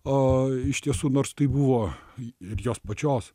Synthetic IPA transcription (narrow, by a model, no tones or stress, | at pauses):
oɪʃt̪ʲiɛsuːnoːrst̪ɐɪbuʋoːɪrjoːspɐt͡ʃʲoːs